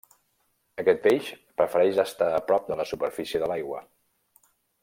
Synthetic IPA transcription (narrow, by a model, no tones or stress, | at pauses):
əkɛt̪̚beʃ | pɾəfəɾɛʒəst̪aəpɾɔp̚d̪ələsupəɾfisiəðəlajɣwə